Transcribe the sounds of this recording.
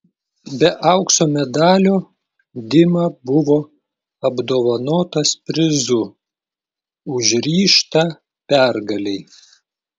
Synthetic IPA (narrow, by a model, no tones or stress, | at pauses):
bʲɛʔɐʊksoːmʲɛd̪ɑːlʲoː | d̪ʲɪmɐːbʊʋoː | ɐbd̪oːʋɐnoːt̪ɐspʲɾʲɪzʊ | ʊʒʲɾʲiːʃt̪ɐ | pʲæɾɡɐlʲɛɪ